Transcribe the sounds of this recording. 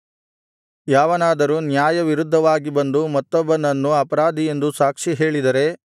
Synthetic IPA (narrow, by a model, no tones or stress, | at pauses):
jaːʋɐnaːd̪ɐɾunjaːjɐʋiɾud̪ʱːɐʋaːɡibɐnd̪umɐt̪ːɔbːɐnɐnːuɐpɐɾaːd̪ʱie̞nd̪usaːkʂiɦe̞ːɭid̪ɐɾe̞